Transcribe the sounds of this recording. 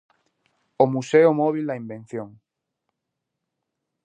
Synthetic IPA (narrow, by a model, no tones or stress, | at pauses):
omuseʊmɔβ̞ild̪aimbẽn̟θjoŋ